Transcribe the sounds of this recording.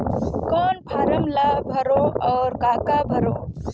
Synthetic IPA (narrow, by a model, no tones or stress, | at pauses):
kɔːnpʰaːɾəmlabʱəɾõɔːɾkaːkabʱəɾõː